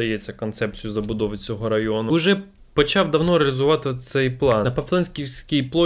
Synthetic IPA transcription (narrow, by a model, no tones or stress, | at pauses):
ɐjet͡sʲːɐkɔnt̪sɛpt͡sʲijʊzɐbʊd̪ɔʋɪt͡sʲɔɦɔɾɐjɔnʊʊʒɛ | pɔt͡ʃɑwd̪ɐwnɔɾeɐlʲɪzʊʋɑt̪ɪsɛjplˠɑnpɐplˠɛnʲsʲkʲisʲkʲɪjplˠɔ